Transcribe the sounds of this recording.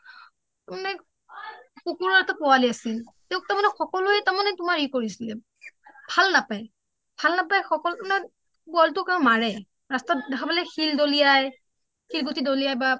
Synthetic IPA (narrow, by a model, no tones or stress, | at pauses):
tamanɛ | kukuɹɔatʰapɔwaliasil | teʊk̚tamanɛxɔkɔlʊjɛtamanɛtʊmaɹikoɹisilɛ | b̥ʱalnapaj | bʱalnapajxɔkɔltamanɛ | bɔltʊkaɹʊ̃maɹɛ | ɹastatdɛkʰapalɛxildolijaj | xilɡutidolijajba